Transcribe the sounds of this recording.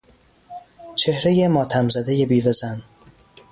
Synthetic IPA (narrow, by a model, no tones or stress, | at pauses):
t͡ʃʰe̞hɾejemɒːt̪ʰæmzæd̪e̞je̞biːvezæn